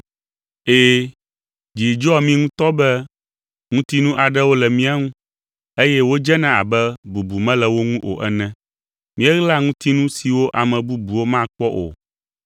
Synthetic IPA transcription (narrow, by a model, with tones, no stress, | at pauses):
eː˦ | d͡ʒi˨d͡ʒɔ˦˨mĩ˦ŋũ˦t̪ɔ˦bɛ˦ | ŋũ˦t̪i˦nũ˦ʔa˨ɖɛ˦wo˦lɛ˨mĩ˦a˦ŋũ˦ | e˦jɛ˦wo˦d͡ʒɛ˦nã˦a̰˨bɛ˦bu˨bu˨mɛ̃˦lɛ˨wo˦ŋũ˦ʔo̰˨ʔɛ˦nɛ̃˦ | mĩ˦ɛ˦ɣla˦ŋũ˦t̪i˦nũ˦si˨wo˦ʔa˨mɛ̃˨bu˦bu˨wo˦mã˦˨k͡pɔ˦ʔo̰˨